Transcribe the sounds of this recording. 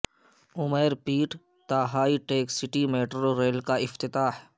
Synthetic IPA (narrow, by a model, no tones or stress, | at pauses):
ʊmeːɾpiːʈ | t̪aːɦaːiʈeːksɪʈimeːʈɾoɾeːlkaɪft̪ɪt̪aːh